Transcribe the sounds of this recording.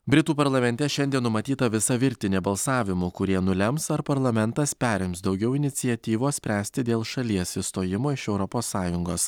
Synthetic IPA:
bʲɾʲɪt̪uːpɐɾlˠɐmʲɛnʲt̪ʲɛʃʲɛnʲd̪ʲiɛnːʊmɐt̪ʲiːt̪ɐʋʲɪsɐʋʲɪɾʲt̪ʲɪnʲeːbɐlˠsɑːʋʲɪmukʊɾʲiɛnʊlʲɛmsɐɾpɐɾlˠɐmʲɛnt̪ɐspʲæːɾʲɛɪmsd̪ɒʊɡʲɛʊɪnʲɪt̪sʲɪɛt̪ʲiːʋoːsʲpʲɾʲæːsʲt̪ʲɪd̪ʲeːlˠʃɐlʲiɛsɪst̪oːjɪmoːɪʃɛʊɾɔpoːsːɑːjʊŋɡoːs

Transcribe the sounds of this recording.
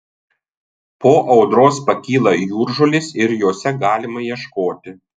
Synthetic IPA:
poːʔɒʊd̪ɾoːspɐkʲiːlˠɐjuːɾʒʊlʲɪsɪɾjoːsʲɛɡɑːlʲɪmɐjiɛʃkoːt̪ʲɪ

